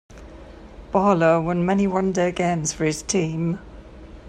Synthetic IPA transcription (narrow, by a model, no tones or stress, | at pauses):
b̥ɑːləwə̃nmɛniwʌ̃ndəɡẽɪ̃mz̥fəɹɪz̥tʰĩːm